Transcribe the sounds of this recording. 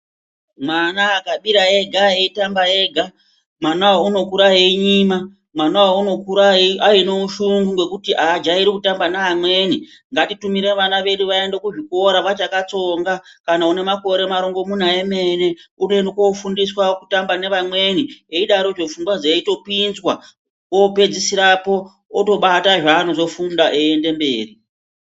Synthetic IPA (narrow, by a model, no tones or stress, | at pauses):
manaːkaɓiɾaeɡʱaeitambae̞ːɡʱa | mwanawauno̞kuɾaɦeiɲiːma | mwanawauno̞kuɾaiainouʃuŋɡuŋɡwe̞kutiʔad͡ʒaiɾikutambanaamwe̞ːni | ŋɡatitumiɾe̞ʋanaʋe̞ɗuʋae̞ndekuʐiko̞ɾaʋat͡ʃakat͡so̞ŋɡakanaune̞mako̞ɾe̞maɾoŋɡo̞mun̤aeme̞ne̞uno̞endekofundiswaku̥tambane̞ʋamwe̞nieiɗaɾo̞d͡ʒo̞fuŋɡwad͡zeito̞pinzwa | wope̞d͡zisiɾapo̞ː | to̞ɓataʐaːno̞zo̞fundaʔeende̞mbe̞ːri